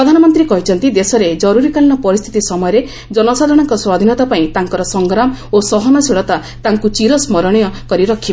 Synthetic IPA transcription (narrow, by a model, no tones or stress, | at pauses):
pɾɔd̪ʱanɔmɔnt̪ɾikɔɦit͡ʃʰɔnt̪id̪esɔɾed͡ʒɔɾuɾikalinɔpɔɾist̪ʰi̥t̪isɔmɔjɔɾe | d͡ʒɔnɔsad̪ʱɔɽ̃ɔŋkɔswad̪ʱinɔt̪apaĩt̪aŋkɔɾɔsɔŋɡɾamɔosɔɦɔnɔsiɭɔt̪a | t̪aŋkut͡ʃiɾɔsmɔɾɔɽ̃ɔjɔkɔɾiɾɔkʰib